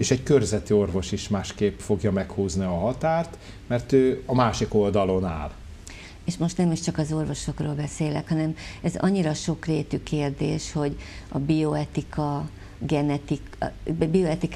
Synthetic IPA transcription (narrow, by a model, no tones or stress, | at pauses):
eːʃɛɟkørzɛt̪io̞rvo̞ʃiʃmaːʃkeːpfo̞ɡjɒmɛkhuːzniɒɦɒt̪aːrt̪ | mɛrt̪øːɒmaːʃiko̞ld̪ɒlo̞na̰ːl | eːʃmo̞ʃt̪nɛmiʃt͡ʃɒkɒzo̞rvo̞ʃo̞kroːlbɛseːlɛ̰khɒnɛmɛzɒ̰ɲːiɾɒʃo̞kreːt̪ykeːrd̪eːʃho̞ɟɒbijo̞ɛt̪ikʰɒ | ɡɛnɛt̪ikbioɛt̪ik